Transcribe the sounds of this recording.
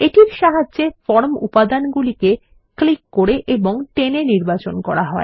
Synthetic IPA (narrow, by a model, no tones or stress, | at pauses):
eʈiɾʃaɦadːd͡ʑefɔɾmṵpad̪anɡulike | klikːoɾeʔeboŋʈeneniɾbat͡ɕonkɔɾaɦɔe